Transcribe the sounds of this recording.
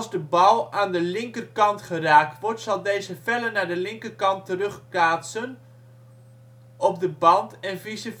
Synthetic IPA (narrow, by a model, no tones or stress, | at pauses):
lˠzdəbɔwˠaːndəlɪŋkərkɑntχəraːk̚tʋɔrtsɑlˠdejzəfɛlənaːdəlɪŋkərkɑntərɵχplaːtsən | ɔp̚dəbɑntɛnvisə